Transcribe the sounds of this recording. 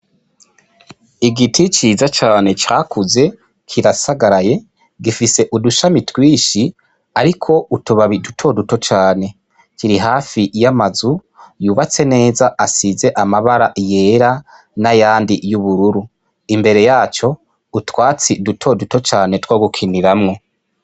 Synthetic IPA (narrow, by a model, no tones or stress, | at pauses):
iɡitʰit͡ʃiːzat͡ʃaːne̞t͡ʃaːkuze̞ | kʰiɾasaɡaɾaje̞ | ɡifise̞ʔuduʃamitwiːʃi | aɾikʰo̞utuβaβidutʰo̞duto̞t͡ʃaːne̞ | kiɾiɦaːfijamazu | juːβat͡se̞ne̞ːzaʔasize̞ʔamaβaɾaʔije̞ːɾa | najaːndijuβuɾuɾu | imbe̞ɾe̞jaːt͡ʃo̞ | utwaːt͡sidutʰo̞duto̞t͡ʃaːne̞twoɡukʰiniɾamŋo̞